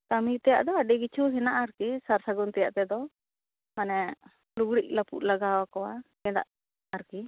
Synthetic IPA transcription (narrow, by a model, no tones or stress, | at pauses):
t̪amit̪ɛja̰ʔd̪ɔaɖɛɡit͡ʃʰuɦɛnaʔaɾkisaɾsaɡɔnt̪ɛja̰ʔt̪ɛd̪ɔ | manɛ | luɡɽiʔ̚lapṵʔ̪laɡawakɔwaɡɛd̪a̰ʔ | aɾki